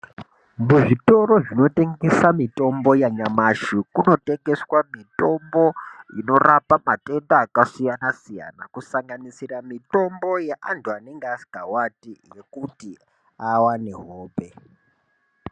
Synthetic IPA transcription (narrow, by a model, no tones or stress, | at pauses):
muʐito̞ɾo̞ʐino̞te̞ŋɡesamito̞mbo̞jaɲamaʃikuno̞te̞ŋɡe̞swamito̞mbo̞ino̞rapamate̞ndaːkasijanasija̰nakusaŋɡanisiramito̞mbo̞jeʔantʰuane̞ŋɡeasi̥ɡʱawatirekuti | awane̞ɦoːpe̞